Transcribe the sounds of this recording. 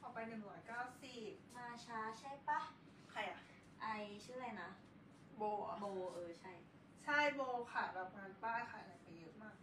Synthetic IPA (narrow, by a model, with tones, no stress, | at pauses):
pʰɔː˧˩pa˧jnɯ˨˩ŋɾɔː˨˦jkaː˥˩wsi˨˩p̚maː˧t͡ɕʰaː˧t͡ɕʰa˥˩jpa˥˩ | kʰa˧˩jʔa˧˩ | ʔa˧jt͡ɕʰɯː˥˩˨la˧˩jna˦˥ | boː˧ʔa̰˧moː˧ʔɤː˧t͡ɕʰa˥˩j | t͡ɕʰa˥˩jboː˧kʰa˥˩bɛː˨˩p̚naː˧npaː˥˩jxʰa˧˩˨la˨˩jpa˧jːɯ˦˥ʔmaː˥˩k̚